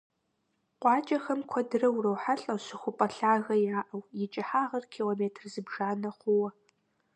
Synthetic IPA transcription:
qʷɑːt͡ʃʼɐxɐmkʷʰɔdɨrɐwrɐwħaɬʼɐɕɪxʷʊpʼɐɬaːɣɐjaːʔɐwjɪt͡ʃʼɪħaːʁɐrkʰiːloːmeːtʰrzɨbʒaːnɐχʷʊwɐ

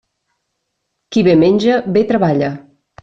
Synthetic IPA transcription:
kiβemenʲʒəbet̪ɾəβaʎə

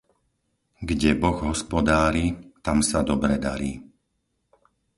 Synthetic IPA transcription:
ɡɟɛbɔɣɦɔspɔd̪aːɾit̪amsad̪ɔbɾɛd̪aɾiː

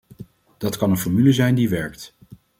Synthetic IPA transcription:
d̥ɑtkɑnənfɔɹmyləzɛjndiʋɛɹkt

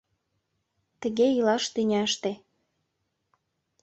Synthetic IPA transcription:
t̪ə̆ɣeilɑʃt̪ynʲæʃt̪e

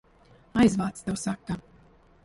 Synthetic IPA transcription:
ajzvaːt̪st̪ɛwsakːa

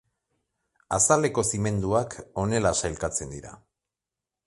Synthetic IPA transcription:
asale̞ko̞sime̞nd̪uako̞ne̞lasajlkat͡se̞nd̪iɾa̰

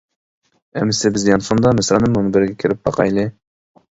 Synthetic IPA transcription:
ɛmːɪsɪbɪzjɑnsond̪ɑmɪsɾɑnɨmːonbɪɾɡʲɛkʲʰɪɾɪp̚bɑ̰qʰɑ̰jlˠɨ

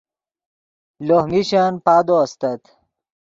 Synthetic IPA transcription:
lohmiɕanpaːd̪oɐst̪ɐt̪

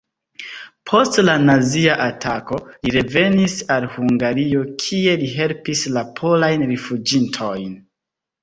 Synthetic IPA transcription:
pʰo̞stlanaziaʔatʰako̞liɾe̞ve̞nisalhuŋɡaɾio̞kʰie̞liɦe̞lpislapʰo̞lajnɾifud͡ʒintʰo̞jn

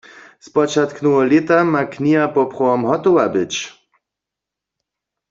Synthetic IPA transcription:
spɔt͡ʃat̪knuwɔlet̪amaknʲiɦapɔpχɔɔmɦɔt̪ɔwabɪt͡ɕ

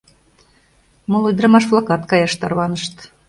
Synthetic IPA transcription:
molˠujd̪ɾɤmɑʃflˠɑkɑt̪kɑjɑʃt̪ɑrβɑnə̆ʃt̪

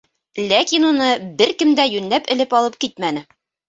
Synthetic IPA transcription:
lækinunɤbɘɾkɘ̆md̪æjʉnlæpɘ̆lɘpɒlˠɤp̚kit̪mænɘ

